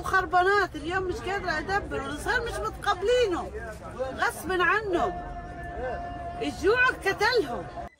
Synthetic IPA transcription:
xɑɾˤbɑnaːt̪ɪljoːmːɪʃkaːd̪ɾˤɑʔad̪abːɪɾuwlɪsˤɣiːɾmɪʃmʊt̪qɑbːliːnʊm | ɣasbɪnʕanːhʊm | ʔɪʒuːʕakkːat̪alhʊm

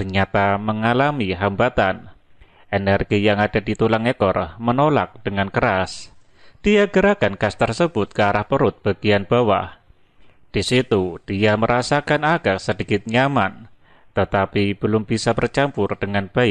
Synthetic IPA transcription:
t̪ərɲat̪aməŋalamiɦambat̪an | enɛrɡijaŋadadit̪ulaŋekɔrmənola̰k̚d̥əŋankəɾas | d̥iaɡəɾakankast̪ərsəbʊt̪̚kəaɾahpəɾʊt̪̚b̥aɡ̥ianb̥awa̰h | d̥isit̪ud̥iaməɾasakanaɡaksədikɪt̪̚ɲaman | t̪ət̪apib̥əlʊmbisabərt͡ʃampʊrd̥əŋanb̥aɪk̚

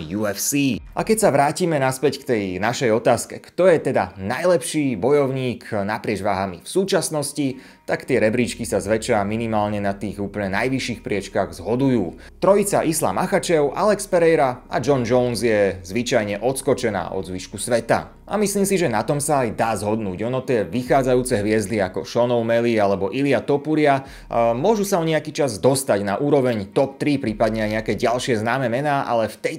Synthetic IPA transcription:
juɛfsiːakɛcsaʋɾaːciːmɛnaspɛckt̪ɛjnaʃɛjɔt̪aːskɛkt̪ɔjɛt̪ɛd̪anajlɛpʃiːbɔjɔʊɲiːknapɾɪɛd͡ʒʋaːɦamḭfsuːt͡ʃasnɔsci | t̪akt̪ɪɛɾɛbɾiːt͡ʃkisazʋɛt͡ʃaminimaːlɲɛnat̪iːɣuːpl̩ɲɛnajʋiʃiːxpɾɪɛt͡ʃkaɣzɦɔd̪ujuː | t̪ɾɔit͡saʔisla̰maxat͡ʃɛʊʔalɛkspɛɾɛjɾaa̰d͡ʒɔnd͡ʒɔʊnzjɛzʋit͡ʃajɲɛʔɔt̪skɔt͡ʃɛna̰ːʔɔ̰d̪zʋiʃkusʋɛt̪a̰ | a̰misliːmsiʒɛnat̪ɔmsaːjd̪aːzɦɔd̪nuːɟɔnɔt̪ɪɛʋixaːd͡zajuːt͡sɛɦʋɪɛzd̪iakɔʃɔnɔʊmɛlialɛbɔʔiliat̪ɔpuɾɪa | mʊɔʒusaɔɲɛakiːt͡ʃazd̪ɔst̪aɟnaʔuːɾɔʋɛɲt̪ɔp̚t̪ɾipɾiːpad̪ɲɛajɲɛakɛːɟalʃɪɛznaːmɛmɛnaːʔa̰lɛft̪ɛj

